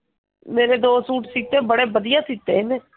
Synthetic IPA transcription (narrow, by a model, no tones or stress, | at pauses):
meːɾeːd̪oːsuːʈsiːt̪eːbəɽeːbəd̪ɪjãːsiːt̪ːeːɦeːneː